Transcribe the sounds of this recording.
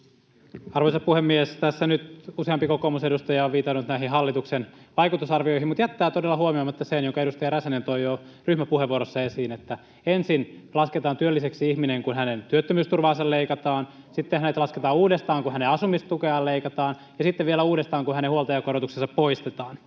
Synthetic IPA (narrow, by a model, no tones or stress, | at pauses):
ɑrʋoisɑpuhemːiest̪æsːænyt̪useɑmpikokoːmusedust̪ɑjɑoʋʋiːt̪ɑnːut̪næiɦiɦɑlːit̪uksenʋɑikut̪usɑrʋioihimut̪jæt̪ːæːt̪odelːɑhuomiomɑt̪ːɑsenjoŋkɑeɾust̪ɑjɑɾæsænent̪oijo | ryhmæpuheʋuoɾosːɑesiːnet̪ːæ | ensinlɑsket̪ɑːnt̪yølːiseksiihmineŋkunɦænent̪yøt̪ːømyːst̪urʋɑːnsɑlleikɑt̪ɑːn | sit̪ːehænet̪lɑsket̪ɑːuːdest̪ɑːŋkuhæneɑsumist̪t̪ukeɑlleikɑt̪ɑːn | jɑsit̪ːeʋʋielæuːɾest̪ɑːŋkuhænehuolt̪ɑjɑkoɾot̪uksesɑppoist̪et̪ɑːn